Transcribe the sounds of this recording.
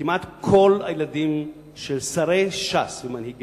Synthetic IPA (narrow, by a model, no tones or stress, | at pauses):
imat̪kʰo̞lajeladim | ʃelsaʁejʃasvemanhiɡ